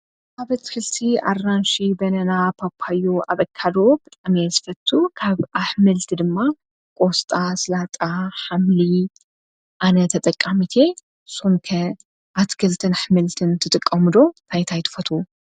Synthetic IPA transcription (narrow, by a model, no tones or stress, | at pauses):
aβɐt̪kʰɨlt̪ʰia̰rːanʃibɐnɐnapʰapʰːajoaβɐkʰːalo̞bɨt̪ʼamjezɨfɐt̪ʰːukʰaβʔaħmɨlt̪ʰɨd̪ɨmːa | kʼo̞st̪ʼaslat̪ʼaħamli | ʔanɐt̪ʰɐt̪ʼɐkʼːamit̪ʰe̞ | somkʰɐ | ʔat̪kʰɨlt̪ʰɨnħmɨlt̪ʰɨnt̪ʰɨt̪ʼɨkʼːɐmɨd̪o̞t̪ʰajt̪ʰajt̪ʰɨ̥fɐt̪ʰu